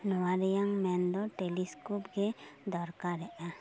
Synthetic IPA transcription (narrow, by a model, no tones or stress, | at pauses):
nɔwaɾɛjaŋmɛnd̪ɔʈeliskupɡɛd̪ɔɾkaɾɛʔa